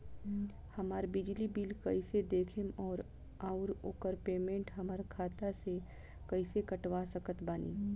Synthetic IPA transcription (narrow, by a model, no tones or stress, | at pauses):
hɐmaːɾbɪd͡ʒlibilkɐised̪eːkʰemɔːɾ | aːʊɾoːkəɾpeːmẽːɳʈɦɐmaːɾkʰaːt̪ase | kɐisekɐʈwasəkət̪baːnḭː